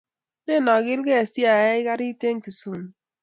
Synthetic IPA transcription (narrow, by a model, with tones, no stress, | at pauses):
ne˦nɔ˨ɡɪ˦lkɛ˦a˨si˦a˨ɛ˦i˦ka˦ɾi˦te˦ŋ˦ki˨su˨m˨